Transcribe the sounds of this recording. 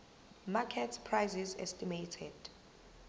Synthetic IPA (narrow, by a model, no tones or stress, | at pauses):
makʰɛtʰpʰrajzizɛ̰stʼimejtʰɛd̥